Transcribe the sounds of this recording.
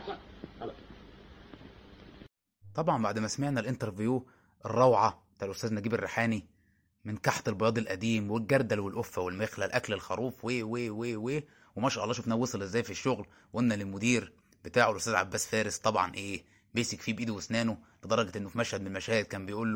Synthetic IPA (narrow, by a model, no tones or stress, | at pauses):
t̪ˤɑbʕɑmbaʕd̪mæsæmeʕnælʔent̪ɑɾˤvujuː | ʔerˤːɑwʕɑ | t̪aːlʔost̪æːznæɡiːberːeħaːni | menkɑħt̪elbojɑːd̪ˤelʔæd̪iːmwelɡæɾˤd̪ælwelʔofːæwelmexlælʔæklelxɑɾˤuːfweːweweːweː | wemæʃæʔɑlˤːɑːʃ̬ofnæːwesˤɑlʔzːæːjfiʃːoɣl | wʔenːælelmʊd̪iːɾ | b̥et̪aːʕolʔost̪æzʕa̰bːæːsfæːɾest̪ˤɑbʕɑ̰nʔeː | beːsikfiːbʔiːd̪uwesnæːnoled̪ɑɾˤɑɡet̪ʔenːofimæʃhæd̪̚menmæʃæːhed̪̚kæːmbejʔuːlːo